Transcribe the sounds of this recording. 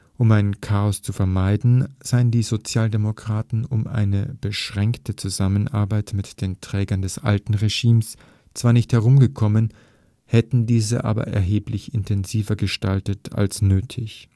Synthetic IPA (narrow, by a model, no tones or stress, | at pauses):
ʔʊmaɪnkʰaːɔst͡sufɛɐmaɪdn̩z̥aɪəndiːzot͡sjaːldemokʁ̥aːtn̩ʊmʔa̰ɪnəb̥əʃʁ̥ɛŋktət͡suzamənʔa̰ɐbaɪtmɪtd̥eːntʁ̥ɛːɡɐndɛsʔa̰ltn̩ʁeʒ̥iːms | t͡sv̥aːɐnɪçthɛʁʊmɡəkʰɔmən | hɛtn̩diːzə̰ʔa̰ːbɐ̰ʔɛ̰ɐɦeːplɪçɪntʰɛnziːvɐɡəʃta̰ltətʰa̰lsnøːtʰɪç